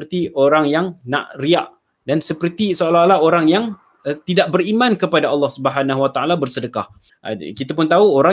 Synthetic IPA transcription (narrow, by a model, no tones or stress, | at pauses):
ərt̪iʔoɾaŋjaŋnã̰ʔria̰ʔ | dansəpərt̪isoalalaɦoɾaŋjaŋ | t̪idaʔbərimãnkəpadaɑlˠːɑhsubəɦanãɦuwat̪aʔalabərsədəkah | kit̪apʊnt̪auoɾa